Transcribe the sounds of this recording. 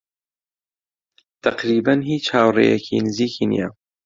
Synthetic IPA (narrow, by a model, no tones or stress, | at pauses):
t̪ʰɐqɾiːbɐnhiːt͡ʃhaːwrḛjɛkʰḭnɨziːkʰinḭjɛ̰